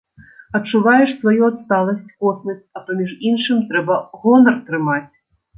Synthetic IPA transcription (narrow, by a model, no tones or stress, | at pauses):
ɐtt͡ʂːuvajɛʂsvajuɐt̪st̪alˠɐsʲt͡sʲkɔsnɐsʲɐpɐmʲiʐinʂɨmt̪ɾɛbɐɣɔnɐrt̪ɾɨmat͡sʲ